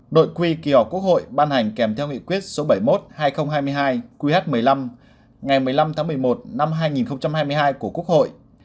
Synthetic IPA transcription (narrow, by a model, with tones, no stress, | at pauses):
ɗo̰˧˨jkwi˧ki˧˩ɔ˨˩p̚ku˦˥ək̚ho̰˧˨jɓaː˧nha˨˩jŋ̟kɛ˨˧˩mt̪ʰɛ˧wŋḭ˧˨kwi˦˥ət̚so˨˦ɓə˧˩jmo˦˥t̚haː˧jxə˧wŋ͡mɦaː˧jm˧əjɦaː˧jkwi˧haː˦˥t̚mɨ˨˩əjla˧m | ŋa˨˩jmɨ˨˩əjla˧mt̪ʰaː˨˦m˨˩əjmo˨˩t̚na˧mɦaː˧jŋi˨˩nxə˧wŋ͡mt͡ɕa˧mhaː˧jmɨ˧əjɦaː˧jku˧˩əku˦˥ək̚ho̰˧˨jʔ